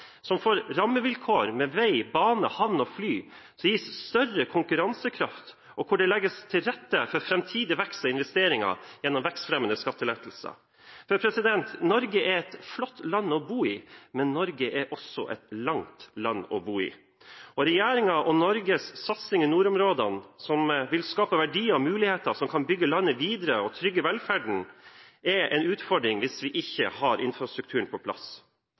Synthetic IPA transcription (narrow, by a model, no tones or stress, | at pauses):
sɔmfoːɾɾɑmːəʋɪlkʰoːɾmɛʋæɪbɑːnəhɑʋnɔflyː | sɔmjiːsst̪œrəkʰʊŋkʉɾɑnsəkʰɾɑft̪ | ʔɔkʰʊɖɛlɛɡːəst̪ʰɪlɾɛt̪ːəfɔɾfɾɛmt̪ʰiːd̪ɪʋɛkst̪ɑɪnʋɛst̪eːɾɪŋɑ̰jɛnːɔmʋɛkst̪fɾɛmənəskɑt̪ːəlɛːt̪l̩sɑ̰ | fœɾpʰɾɛsɪd̪ɛnt̪nɔɾɡəʔɛɾɛt̪flɔt̪ːlɑnːɔbuːɪmɛnːɔɾɡəʔɛɾʔɔsɔ̰ʔɛt̪lɑŋt̪lɑnːɔ̰buːḭː | ɔɾɛjæːɾɪŋɑʔɔnɔɾɡəssɑt̪sɪŋɪnuːɾɔmɾoːd̪ɑnsɔmʋɪlskɑːpəʋæɖiːəɔmʉːlɪheːt̪əsɔmkʰɑnbʏɡːəlɑnːəʋiːd̪əɾəɔt̪ʰɾʏɡːəʋɛlfæːɖɳ̩ | ɛɾɛnʉːt̪fɔɖɾɪŋʋɪsʋɪʔɪçːə̰hɑɾʔɪnfɾɑst̪ɾʉk̚t̪ʰʉːəɳpʰɔpʰlɑ̰s